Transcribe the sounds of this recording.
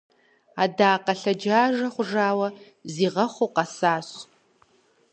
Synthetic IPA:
aːdaːqɐɬɐd͡ʒaːʒɐχʷʊʐaːwɐ | ziːʁɐχʷoqɐsaːɕ

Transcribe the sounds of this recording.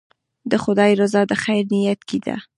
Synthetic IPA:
d̪əxʊd̪ɑjiɾʊzɑd̪əxajɾnɪjat̪kid̪a̰

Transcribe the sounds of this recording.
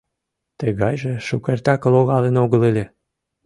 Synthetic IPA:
t̪əɣɑjʒĕʃukert̪ɑkə̆loɣɑlenoɣəlelʲe

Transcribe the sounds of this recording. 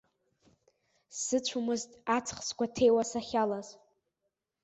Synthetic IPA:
ssɨt͡ɕʷʰumɨztʼat͡sʰχskʷʰatʰe̞jwasaχʲalaz̥

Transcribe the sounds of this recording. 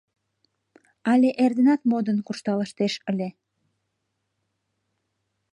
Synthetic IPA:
ɑlʲeʔerd̪enɑt̪mod̪ənkuʃt̪ɑləʃt̪eʃəlʲe

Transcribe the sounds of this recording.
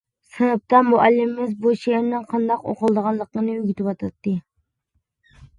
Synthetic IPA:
sɨnɨp̚t̪ɑmuʔælːɪmɪmɪzboʃijeɾnɨŋqʰɑnd̪ɑqo̰qəlˠd̪əʁɑnlˠəqːənɨyɡʲyt̪ʰɪpwɑt̪ʰɑt̪ːɨ

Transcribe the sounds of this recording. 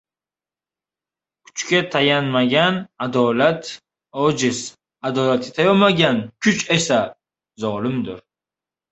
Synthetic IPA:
kʰʊ̥t͡ʃkʲat̪ʰajanmaɡʲanad̪ɒlat̪ | ɒd͡ʒɪz̥ | ad̪ɒlat̪ʰɪt̪ʰajɒmaɡʲankʲʰʊt͡ʃe̞sa | zɒlɪmd̪ʊɾ

